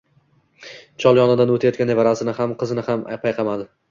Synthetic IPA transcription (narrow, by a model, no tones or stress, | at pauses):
t͡ʃʰɒlˠjɒnɪd̪anot̪ʰajɒt̪kʲanevaɾasɪnɪhamqʰɨzɪnɪhama̰pʰajqʰɑmad̪ɪ